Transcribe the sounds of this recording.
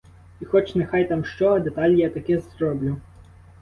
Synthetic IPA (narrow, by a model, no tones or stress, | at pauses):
ixɔt͡ʃnexɑjt̪ɑmʃt͡ʃɔd̪et̪ɑlʲjat̪ɐkɪzrɔblʲu